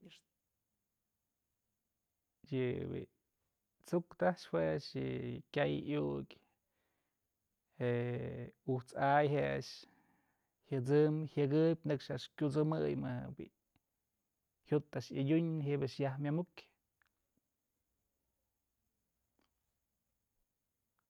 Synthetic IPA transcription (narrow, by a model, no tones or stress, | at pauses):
jɨbḭ | t͡sukt̪aʂhweʂjɨkʲajʔjukʲ | e | uht͡sajɦea̰ʂ | hjɨt͡sɨmhʲɨɡɨbʲnɨkʂaʔʂkʲut͡sɨmɨjmɨhbḭ | hjut̪ːaʔʂɨdʲuɲɦibaʔʂjahmʲamukʲ